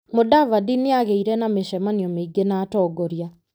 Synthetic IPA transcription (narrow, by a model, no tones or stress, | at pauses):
modavadineaɣeiɾɛnameʃɛmaniɔmeiɡenaːtɔːɡɔɾia